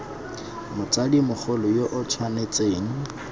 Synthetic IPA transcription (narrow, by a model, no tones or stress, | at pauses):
mʊt͡sʼadimʊk͡xʰʊlɔjoʔʊt͡sʰwanet͡sʼeːŋ̩